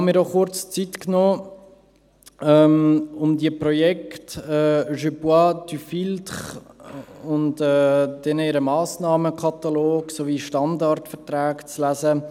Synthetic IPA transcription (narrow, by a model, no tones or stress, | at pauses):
hɑnmiːɾdɔχʊɾt͡st͡sitknoː | ɛmʊmdiəprɔjɛktɛːʒøpwatyfiltχ | ʊntɛːd̥ɛnəɪɾəmaːsnɑːməkʰɑt̪aloːɡsoviːʃtɑndɑɾtfɛɾtɾaːkt͡slæzə